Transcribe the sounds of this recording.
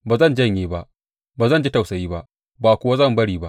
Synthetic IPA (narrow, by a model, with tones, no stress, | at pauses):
baː˨zɐ˦˨nd͡ʒɐ˦˨ɲjeː˦ba˦ʔ | baː˨zɐ˦nd͡ʒi˦ta˨wsɐ˨jiː˦ba˦ʔ | baː˨kʷʊ˦wa˦zɐ˦˨mbɐ˦ɽiː˦ba˦ʔ